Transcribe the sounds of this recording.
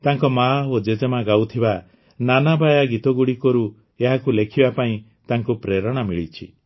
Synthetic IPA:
t̪aŋkɔmaod͡ʒed͡ʒemaɡawt̪ʰiba | nanabʱajaɡit̪ɔɡuɽikɔɾu | eɦakulekʰibapaĩ | t̪aŋkupɾeɾɔɽ̃amiɭit͡ʃʰḭ

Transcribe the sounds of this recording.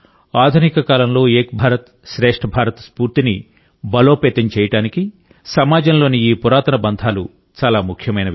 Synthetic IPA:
aːd̪ʱunikɐkaːlɐmlo̞ːeːkbʱaːɾɐt̪ | ʃɾeːʂʈʰɐbʱaːɾɐt̪spuːɾt̪ini | bɐlo̞ːpeːt̪ɐɲt͡ʃɛːjɐʈaːniki | sɐmaːd͡ʒɐmlo̞ːniiːpuɾaːt̪ɐnɐbɐnd̪ʱaːlṵ | t͡ʃaːlaːmukʰjɐmɐjnɐ

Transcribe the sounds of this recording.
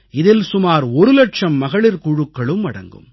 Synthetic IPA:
ɪðɪlsʊmaːɾɔɾɯlɐʈt͡ʃɐmːɐɣɐɭɪɾkʊɻɯkːɐɭɯmɐɽɐ̰ŋɡɯ̰m

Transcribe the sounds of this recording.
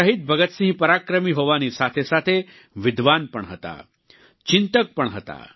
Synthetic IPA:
əɦit̪̚bʱəɡət̪sĩɦpɐɾakɾəmiɦoʋanisat̪ʰesat̪ʰe | ʋɪd̪ʋanpəɳɦət̪a̰ | t͡ʃɪnt̪ək̚pəɳɦət̪a̰

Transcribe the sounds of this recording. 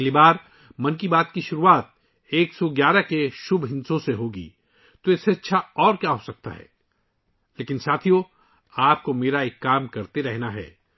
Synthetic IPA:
libaːɾ | mɐnkibaːt̪kiʃʊɾuaːt̪̚ | eːksɔɡjaːɾakeʃʊbʱɦɪ̃nsõseɦoːɡḭː | t̪oɪseɐtːʃʰaɔːɾkjaːɦosɐk̚t̪a̰ɦɛ̰ː | leːkɪ̃nsaːt̪ʰijõ | aːp̚komeːɾaeːkːaːmkɐɾt̪eɾɛɦnaɦɛ̰ː

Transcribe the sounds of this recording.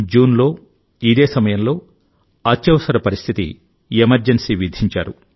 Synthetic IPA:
d͡ʒuːnlo̞ː | id̪eːsɐmɐjɐmlo̞ː | ɐt͡ʃːjɐʋɐsɐɾɐpɐɾist̪ʰit̪ḭ | emɐɾd͡ʒensiːʋid̪ʱiɲt͡ʃa̰ːɾu

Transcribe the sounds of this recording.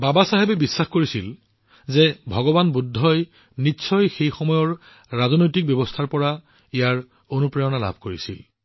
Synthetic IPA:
babasaɦebɛbisːaxkoɹisil | zɛbʱɔɡɔbanbudʱːɔj | nitːsʰɔjxejxɔmɔjɔɹ | ɹazɔnojtik̚bjɔbɔstʰaɹpɔɹa | ijaɹ | onupɹɛjɔnala̰bʱkoɹisḭl

